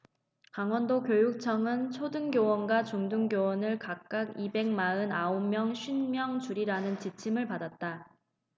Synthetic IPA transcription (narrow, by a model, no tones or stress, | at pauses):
kaŋwʌndokjojuk̚t͡ɕʰʌŋɯnt͡ɕʰodɯŋɡjowʌnɡwat͡ɕuŋduŋɡjowʌnɯɭkak̚k͈aɡibe̞ŋmaɯnaomːjʌŋɕʰɥinmjʌŋt͡ɕuɾiɾanɯnt͡ɕit͡ɕʰimɯɭpadat̚t͈a